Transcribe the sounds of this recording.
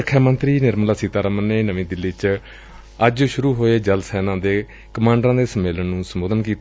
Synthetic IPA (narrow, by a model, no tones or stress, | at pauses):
əkʰːaːmənt̪ɾiːnɪɾmlaːsiːt̪aːɾəmənːeːnəʋĩːd̪ɪlːiːt͡ʃ | əd͡ʒʃʊɾuːɦoːeːd͡ʒəlsɛːnãːd̪eː | kəmãːɳɖɾãːd̪eːsəmeːlənnũːsəmoːd̪ənkiːt̪